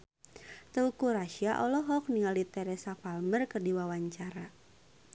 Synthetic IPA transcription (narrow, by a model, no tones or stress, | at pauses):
t̪əukuɾaʃiaʔɔlɔɦɔk̚niŋalit̪ɛɾɛsafalmərkərdiwawaɲt͡ʃaɾa